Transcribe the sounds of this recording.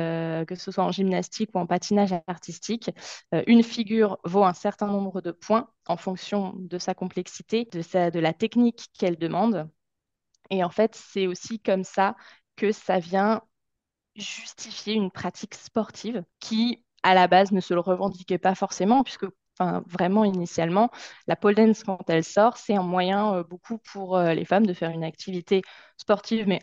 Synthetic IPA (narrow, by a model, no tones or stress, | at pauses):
økəsəswaɑ̃ʒimnast̪ikuɑ̃pat̪inaʒaʁt̪ist̪ikøʔynfiɡʲyʁvoɛ̃sɛʁt̪ɛ̃nɔ̃bʁəd̪əpwɛ̃ | ɑ̃fɔ̃ksjɔ̃d̪əsakɔ̃plɛksi̥t̪ed̪əsad̪əlat̪ɛknikːɛld̪əmɑ̃d̪ | eɑ̃fɛt̪sɛosikɔmsa | kəsavjɛ̃ | ʒyst̪ifjeynpχat̪ʰikspɔʁt̪ʰivkʲʰi | alabaznəsələʁəvɑ̃d̪ikʲɛpafɔʁsemɑ̃pɥiskə | ɑ̃fɛ̃vʁɛmɑ̃inisjalmɑ̃lapɔld̪ɛnskɑ̃t̪ɛlsɔʁsɛt̪ɛ̃mwajɛ̃øbokʰupʰuʁølḛfamd̪əfɛʁynak̚t̪ʰivit̪e | spɔʁt̪ivmɛ